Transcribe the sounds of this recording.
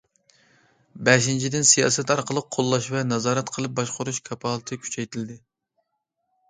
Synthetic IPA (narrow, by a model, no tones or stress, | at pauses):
bɛʃint͡ʃʰid̪ɪnsijɑːsɛt̪ɑɾqʰəlˠəq̚ʰːolˠːɑʃvɛnɑzɑːɾɛt̪qʰəlˠɨp̚bɑʃqʊɾuʃkʰɑpʰɑlˠɨt̪ʰɨkʲʰy̥t͡ʃʰɛjt̪ʰɪld̪ɪ